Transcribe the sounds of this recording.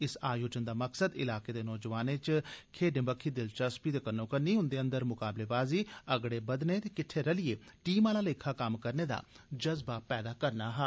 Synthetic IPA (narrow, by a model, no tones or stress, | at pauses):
ɪsaːjoːd͡ʒənd̪aːməksəd̪ɪ̰laːkeːd̪eːnɔːd͡ʒəʋaːneːt͡ʃkʰeːɖɪ̃mbəkʰːiːd̪ɪlt͡ʃəspiːt̪eːkənːõːkəɾniːɦʊnd̪eːə̃nd̪əɾmʊkaːbleːbaːziːəɡɽeːbəd̪net̪eːkɪʈʰːeːɾəlɪeːʈiːmaːlaːleːkʰaːkamkəɾneːd̪a̰ː | d͡ʒəzbaːpɛːd̪aːkəɾnaːɦɛː